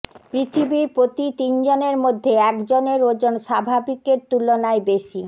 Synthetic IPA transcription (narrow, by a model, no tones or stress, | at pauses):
pɾit̪ʰibiɾpɾot̪it̪ind͡ʑoneɾmod̪ʱːeɛkd͡ʑoneɾod͡ʑonʃabʱabikeɾt̪ulonaebeʃi